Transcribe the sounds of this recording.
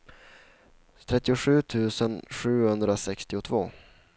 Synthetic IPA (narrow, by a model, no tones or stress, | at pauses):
t̪ʰɾɛt̪ːɪʊɧʉ̟ːt̪ʰʉ̟ːsənɧʉ̟ːhɵnd̪ɾasɛkst̪ɪʊt̪ʰvoː